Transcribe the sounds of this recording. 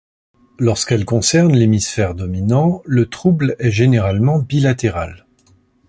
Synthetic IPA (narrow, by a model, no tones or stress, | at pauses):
lɔʁskɛlkɔ̃sɛʁnlemisfɛʁd̪ɔminɑ̃lət̪χublɛʒeneʁalmɑ̃bilat̪eʁa̰l